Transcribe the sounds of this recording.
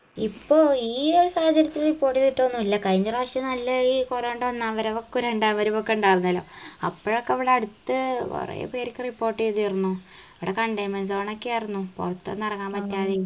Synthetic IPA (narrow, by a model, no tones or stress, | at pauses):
ipːo̞ːiːoɾusaːhɐt͡ɕɐɾjɐt̪ːilripːo̞ːrʈːit̪iʈːoʋɐnːuɐlːɐkɐɻiɲːɐraʂjɐnɐlːɐiːkoɾeːɳɖɨʋɐnːaɐʋɐɾeʋokːuɾeɳɖaʋɐɾumokːeuɳɖaːjrunːɐlo̞̰ːɐpːoːɻokːeʋiɽeɐɽut̪ːɨo̰rḛj̰pe̞ːɾikʲːɨripːo̞ːrʈːijt̪iirunːuɐʋiɽekɐɳɖɐjmɐns̬oːɳokːeajrunːupṵrɐt̪ːɐ̰nːɐrɐŋːaːmpɐt̪ːjaːði